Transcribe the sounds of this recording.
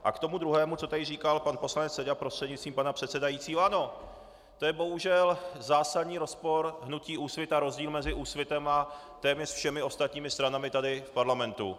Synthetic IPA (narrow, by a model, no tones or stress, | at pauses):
ʔa̰kt̪o̞mud̪ɾuɦɛːmut͡so̞t̪adɪriːkalpanpo̞slanɛt͡ssɛɟapɾost̪r̥ɛdɲɪt͡st̪viːmpanapr̝̥ɛt̪sɛdajit͡siːɦoʔano̞ | t̪o̞jɛbo̞ɦuʒɛlzaːsad̪ɲiːɾo̞spo̞ɾɦnuciːʔuːsvjɪt̪aɾo̞zɟiːlmɛzɪʔuːsvjɪt̪ɛma | t̪ɛːmɲɛsfʃɛmɪo̞st̪at̪ɲiːmɪst̪ɾanamɪt̪adɪfpaɾlamɛnt̪ṵ